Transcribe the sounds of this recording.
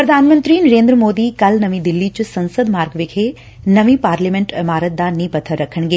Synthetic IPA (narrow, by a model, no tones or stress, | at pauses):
pɾɐd̪ʱaːnmə̃nt̪ɾiːnɐɾeːnd̪ɾəmoːd̪ikɐlnɐʋĩd̪ɪlːit͡ɕsɐ̃nsəd̪maːɾɡʋɪkʰe | nɐʋĩpaːɾlimẽɳʈɪmaːɾət̪̚d̪anĩːpɐt̪ʰəɾɐkʰəɳ̃ɡeː